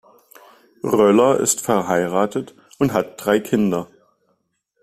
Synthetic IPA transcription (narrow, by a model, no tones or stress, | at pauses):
ʁœlɐʔɪ̰stfɛɐɦaɪʁaːtʰət | ʔʊnthat̚d̥ʁaɪkʰɪndɐ